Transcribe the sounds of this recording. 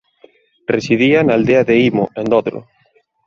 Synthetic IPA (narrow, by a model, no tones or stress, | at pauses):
resiðianaːld̪eɐðeimʊ̰ʔend̪ɔðɾʊ̰